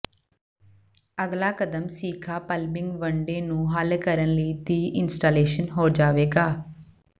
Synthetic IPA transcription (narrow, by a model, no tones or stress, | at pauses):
əɡlaːkəd̪əmsiːkʰaːpəlbɪŋɡʋəɳɖeːnũːɦəlkəɾənləiːd̪iːʔɪnsʈaːleːʃənɦoːd͡ʒaːʋeːɡaː